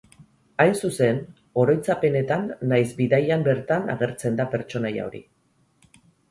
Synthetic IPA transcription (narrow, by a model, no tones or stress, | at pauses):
ajnsuse̞n | o̞ɾo̞jt͡sape̞ne̞t̪anːajzbiðajambe̞ɾt̪ana̰ɣe̞ɾt͡se̞nd̪ape̞ɾt͡ʃo̞naja̰o̞ɾḭ